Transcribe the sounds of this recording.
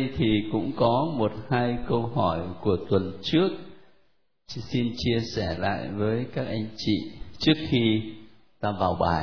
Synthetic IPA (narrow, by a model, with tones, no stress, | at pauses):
jt̪ʰi˨˩kʊ̰˧˥ŋ͡mkɔ˨˦mo˨˩t̚haː˧jkə˧wɦɔ˧˩jku˧˩ət̪wə˨˩nt͡ɕɨ˦˥ək̚ | si˧nt͡ɕi˧əsɛ˧˩la̰ː˧˨jvəː˨˦jkaː˦˥k̚ʔa˧jŋ̟t͡ɕḭ˧˨t͡ɕɨ˦˥ək̚xi˧ | t̪aː˧vaː˨˩wɓaː˨˩